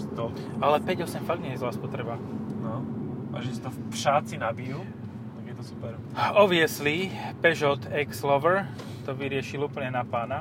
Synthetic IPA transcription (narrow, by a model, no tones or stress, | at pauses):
st̪ɔ | alɛpɛɟɔsɛmfaɡ̚d̪ɲɛjɛzlaːspɔt̪ɾɛbanɔa̰ʒɛsi̥t̪ɔfpʃat͡sinabiju | t̪aɡjɛt̪ɔsu̥pɛɾ | ɔʋɪɛslipɛʒɔt̪ɛkslɔʋɛɾ | t̪ɔʋiɾɪɛʃiluːpl̩ɲɛnapaːna